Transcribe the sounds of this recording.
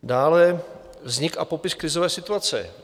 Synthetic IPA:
daːlɛ | vzɲɪka̰popɪskɾɪzovɛːsɪt̪uat͡sɛ̰

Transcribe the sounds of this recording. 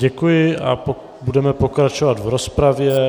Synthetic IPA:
ɟɛkujɪa̰p | budɛmɛpo̞kɾat͡ʃovat̪vɾospɾavjɛ

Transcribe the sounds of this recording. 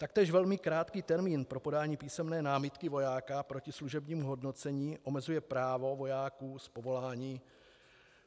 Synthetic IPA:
t̪ak̚t̪ɛːʒvɛlmɪkɾaːt̪kiːt̪ɛɾmiːnpɾo̞po̞daːɲiːpiːsɛmnɛːnaːmɪt̪kɪvo̞jaːkapɾo̞cɪsluʒɛbɲiːmuɦo̞dno̞t͡sɛɲiːʔo̞mɛzujɛpɾaːvo̞vo̞jaːkuːspovo̞laːɲiː

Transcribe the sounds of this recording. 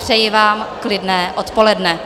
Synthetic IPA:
pr̥ɛjɪvaːmklɪdnɛːʔot̪po̞lɛdnɛ

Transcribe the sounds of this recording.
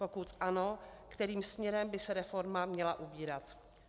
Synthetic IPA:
po̞kut̪ʔanokt̪ɛɾiːmsmɲɛɾɛmbɪsɛɾɛfo̞ɾmamɲɛlaʔubiːɾat̪

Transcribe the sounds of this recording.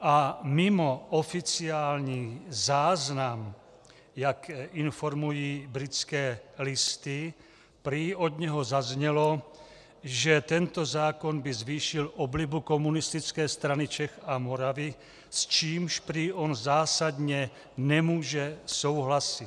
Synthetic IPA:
amimɔɔfit͡siaːlɲiːzaːznam | jakinfɔɾmujiːbɾit͡skɛːlist̪i | pɾiɔd̪ɲɛɦɔzazɲɛlɔ | ʒɛt̪ɛnt̪ɔzaːkɔnbizʋiːʃilɔblibukɔmunist̪it͡skɛːst̪ɾanit͡ʃɛxamɔɾaʋi | st͡ʃiːmʃpɾiɔnzaːsad̪ɲɛ | nɛmuːʒɛsowɦlasit̪

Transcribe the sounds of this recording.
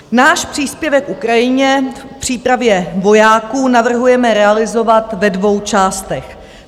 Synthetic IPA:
naːʃpr̝̥iːspjɛvɛkʔukɾajɪɲɛ | pr̝̥iːpɾavjɛvo̞jaːkuːnavr̩ɦujɛmɛɾɛalɪzo̞vat̪vɛdvo̞wt͡ʃaːst̪ɛx

